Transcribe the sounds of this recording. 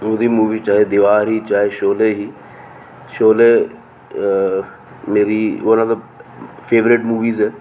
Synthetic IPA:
od̪iːmuːʋiːt͡ʃaːɦed̪ɪʋaːɾɦiːt͡ʃaːɦeːʃoːleːɦiː | ʃoːleː | meːɾiːonət̪əb | pʰeːʋɾɪʈmuːʋiːzɛː

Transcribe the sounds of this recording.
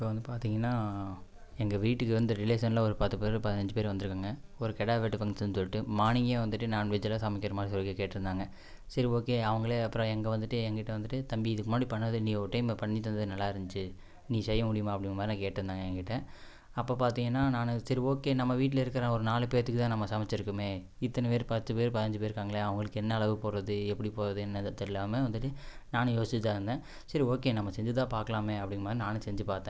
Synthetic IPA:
ɪpːoːʋɐnd̪ɯpaːɾt̪iːŋɡɐnːaː | ɛŋɡɐʋiːʈːɯkːɯʋɐnd̪ɯɾɪleːsɐnlaːɔɾɯpɐt̪ːɯpeːɾpɐðɐnɐɲd͡ʒɯpeːɾʋɐnd̪ɯɾɯkːaːŋɡɐ | ɔɾɯkɛɽaːʋeʈːɯpɐŋɡsɐnːsɔlːɪʈːɯmaːɳɪŋɡeːʋɐnd̪ɯʈːɯnaːnʋɛd͡ʒɐlaːsaːmɪkːɪɾɐmaːɽisɔlːɯkːekeːʈːɪɾɯnd̪aːŋɡɐ | sɪɾioːkeːɐʋɐŋɡɐɭeːɐpːɯɾɐ̃ɛŋɡɐʋɐnd̪ɯʈːɯɛŋɡɐkɪʈːɐʋɐnd̪ɯʈːɯt̪ɐmbiɪðɯkːɯmaːɽipɐɳːɐðɯnĩːɔɾɯʈɐɪmpɐɳːit̪ːɐnd̪ɐðɯnɐlːaːɪɾɐnd͡ʒɯt͡ʃːɯ | niːsɛjːɐmʊɽɪjɯmaːɐpːɐɽɪnːɐmaːd̪ɾnãːkeːʈːɾɯnd̪aːŋɡɐɛŋɡɐkɪʈːɛ̃ | ɐpːoːpaːɾt̪iːŋɡɐnːaːnaːnɯsɐɾioːkeːnɐmːɐʋiːʈ̬ːɪlɐɪɾɯkːɐɾɐ̃ːɔɾɯnaːlɯpeːɾt̪ɯkːɯt̪ãːnɐmːɐsɐmɐt͡ʃːɪɾɯkːɯmeː | ɪt̪ːɐnɐpeːɾpɐt̪ːɯpeːɾpɐðɐnɐɲd͡ʒɯp̬eːɾɯkːaːŋɡɐɭeɐʋɐŋɡɐɭɯkːɯɛnːɐːɭɐʋɯpoːɾɐðɯɛpːɐɽipoːɾɐðɯɛnːɐt̪ːɐɪlːaːmɐʋɐnd̪ɯʈːɯnaːnɯjoːsɪt͡ʃ̪ːaːɪɾɯnd̪ẽː | sɐɾioːkeːnɐmːɐsɛɲd͡ʒɯt̪̬ãːpaːɾkɐɭaːmeːɐpːɐɽɪŋɐmaːd̪ɾinaːnɯ̃sɛɲd͡ʒɯpaːɾt̪ːẽ

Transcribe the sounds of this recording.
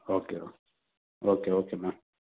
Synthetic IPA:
okeo | okeokena

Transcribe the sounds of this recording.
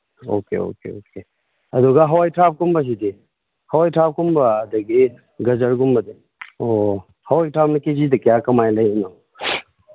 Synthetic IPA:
o̰kḛo̰kḛoke | ɐduɡaɦɐwajtʰap̚kumbɐsidi | hɐwajtʰap̚kumbɐːdɐɡi | ɡɐzɐɾɡumbɐd̪i | o | hɐwajtʰap̚nɐkezidɐkijakɐmajlɐjnɔ

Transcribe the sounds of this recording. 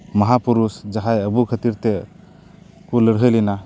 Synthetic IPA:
mɐɦapuɾusd͡ʒaɦajəbukʰət̪iɾt̪ɛ | kuləɽɦəjlina

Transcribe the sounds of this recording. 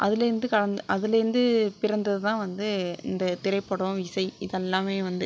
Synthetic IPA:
ʔɐðɪlɐɾɪnd̪ɯkɐɻɐnd̪ɯʔɐðɪlɐɾɪnd̪ɯpɪɾɐnd̪ɐðɯt̪ãːʋɐnd̪ɯɪ̰nd̪ɐt̪ɪɾɐɪpːɐɽõɪsɐɪɪðɛlːaːmeːʋɐnd̪ɯ

